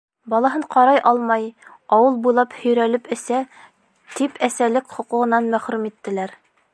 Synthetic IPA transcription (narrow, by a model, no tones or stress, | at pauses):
bɒlˠɑɦɤɴqɑɾɑjʔɑlˠmɑjɑwɤlˠbujlˠɑphɵ̆jɾælɘpɘ̆sæ | t̪ipʰæsælɘkχŏqŭʁɤ̆nɑnmæχɾʉmit̪ːɘ̆læɾ